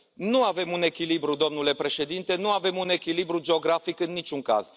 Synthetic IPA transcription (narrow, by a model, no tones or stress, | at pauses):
nuave̞mune̞kʲilibɾud̪o̞mnule̞pɾe̞ʃe̞d̪int̪e̞nuave̞mune̞kʲilibɾud͡ʒe̞o̞ɡɾafikɨnːit͡ʃʲuŋka̰z̥